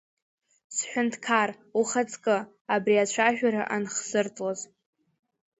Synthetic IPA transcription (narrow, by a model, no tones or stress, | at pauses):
sħʷᶣʊntʰkʰar | uχat͡sʼkʼɨ | abriat͡ɕʷʰaʒᶣaɾa̰ʔanχz̥ɨrtʼloz